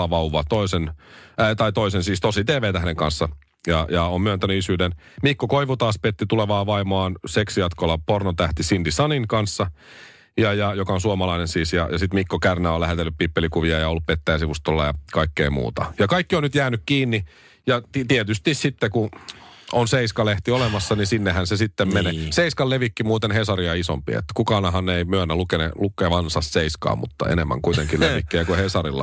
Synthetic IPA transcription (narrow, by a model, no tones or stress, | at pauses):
ɑʋɑuʋɑt̪oisent̪ɑit̪oisensiːst̪osit̪eːʋeːt̪æhdeŋkɑnsːɑ | jɑjɑommyønt̪ænyisyːden | mikːokoiʋut̪ɑːspet̪ːit̪uleʋɑːʋɑimoɑːnseksijɑt̪kolːɑpornot̪æht̪isind̪isɑniŋkɑnsːɑ | jɑjɑjokɑonsuomɑlɑinensiːsjɑ̰jɑsit̪mikːokærnæolæhet̪elːyppipːelikuʋiɑjɑolːuppet̪ːæjæsiʋust̪olːɑjɑ̰kɑikːeimṵːt̪ɑ̰jɑkɑikːionyt̪jæːnykkiːnːi | jɑt̪t̪iet̪yst̪issit̪ːeku | onseiskɑleht̪iolemɑsːɑnisinːehænsesit̪ːemmeneseiskɑlleʋikːimuːt̪enhesɑriɑiso̰mpḭḛt̪ːæ̥kukɑːnɑɦɑnneimyønːælukenelukːeʋɑnsɑsseiskɑ̰ːmṵt̪ːɑ̰ḛnemːæ̰ŋkuit̪eŋkileʋikːiækuhesɑrilːɑ̰